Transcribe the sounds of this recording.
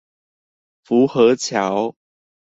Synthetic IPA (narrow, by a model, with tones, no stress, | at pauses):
fu˨˦xɤ˨˦t͡ɕʰja˨˦ʊ